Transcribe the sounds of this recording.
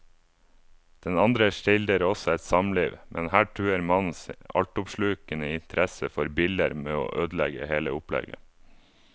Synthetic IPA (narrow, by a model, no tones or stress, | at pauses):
d̪̥ɛnɑnd̪ɾəʃɪld̪əɾɔsɔɛt̪sɑmlḭːʋmʔɛnhæːʈʰʉːəɾmɑn̩sɑ̰lʈʊpʃɭʉːkənəɪnt̪ʰəɾɛsəfɔɾbɪld̪əɾmeːo̰ːʔøːd̪lɛɡə̰heːləʊplɛ̰ɡə̰